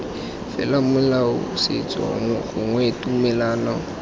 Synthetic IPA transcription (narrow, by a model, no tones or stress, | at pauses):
fɛ̰lamʊlaʊsɪ̰t͡sʼwa̰ŋɣʊŋwɛtʼumɛlaːna